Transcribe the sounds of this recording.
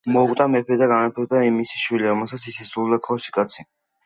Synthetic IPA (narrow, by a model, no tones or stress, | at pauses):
mɔukʼt̪ʼamɛpʰɛd̪aɡanapʰɛd̪aimisi̥ʃwiliɾɔmɛlˠsat̪sisɛsuld̪akʰɔsi̥kʼat̪sʰi